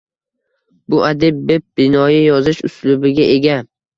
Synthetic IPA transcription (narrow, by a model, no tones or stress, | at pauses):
bʊʔad̪ɪb̚bep̚bɪnɒjɪjɒzɪʃʊ̰slʊbɪɡʲaʔeɡʲa